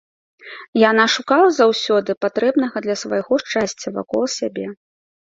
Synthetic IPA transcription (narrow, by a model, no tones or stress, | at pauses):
janaʂukalˠɐzawsʲɔd̪ɨpat̪ɾɛbn̪ɐɣɐd̪lʲɐsvajɣɔʂt͡ʂasʲt͡sʲːɐva̰kɔlˠsʲabʲɛ